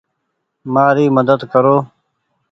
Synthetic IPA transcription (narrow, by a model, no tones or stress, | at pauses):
maːɾiːməd̪əd̪kəɾoː